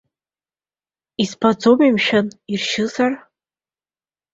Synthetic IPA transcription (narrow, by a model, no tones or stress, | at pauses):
ispʰad͡zomimʃᶣanirʃɪzar